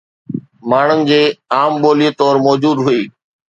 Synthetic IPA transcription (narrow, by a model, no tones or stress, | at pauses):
maːɳ̤ənd͡ʑeːaːmɓoːlieːt̪ɔːɾmɔːd͡ʑuːd̪ɦʊeː